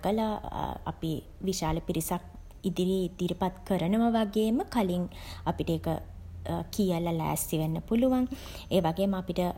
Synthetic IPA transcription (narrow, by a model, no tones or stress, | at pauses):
ɡəlaa̰pi | ʋiʃaːləpiɾisak̚ | id̪iɾid̪̥iɾipat̪kəɾənəʋəʋaɡeːməkaliŋ | apiʈəeːkə | kijəlalæ̰ːsiʋenːəpuluʋaŋ | eːʋaɡeːməapiʈə